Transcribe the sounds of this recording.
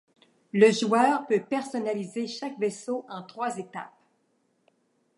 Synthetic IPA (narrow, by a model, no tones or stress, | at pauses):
ləʒuœːʁpøpɛʁsɔnalizeʃakvesoɑ̃t̪χwazet̪a̰p̚